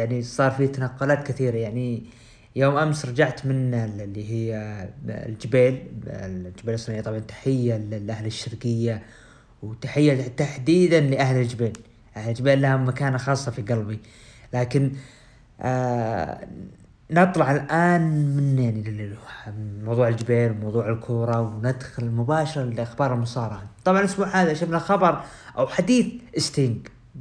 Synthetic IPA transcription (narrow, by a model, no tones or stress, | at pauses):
jaʕnisˤɑːɾˤfit̪anaqːʊlaːt̪kaθiːɾajaʕni | joːmʔamsɾˤɑd͡ʒaʕt̪mɪnlːiɦɪjːald͡ʒɪbeːl | ld͡ʒɪbeːlsˤːɑnʕijat̪ˤɑbʕɑnt̪ḁħɪjːalɪlʔahlɪʃːɪɾkɪjːa | wt̪aħɪjːat̪aħd̪iːd̪anlɪʔahlɪld͡ʒɪbeːl | ʔahlɪld͡ʒɪbeːlːahamakaːnaxɑːsˤːɑfiɡɑlbi | laːkɪn | ɨt̪ˤlɑʕalʔaːnmɪnjaʕni | mawðˤuːʕɪld͡ʒɪbeːlwmawðˤuːʕɪlkʰʊːɾˤɑwnad̪xʊlɪmʊbaːʃɑɾˤɑlɪʔaxbɑːɾˤɪlmʊsˤɑːɾˤɑħat̪ˤɑbʕɑnʔasbuːʕhaːðaʔʃafnaxɑbɑɾˤʔawħad̪iːθʔɪst̪iŋɡ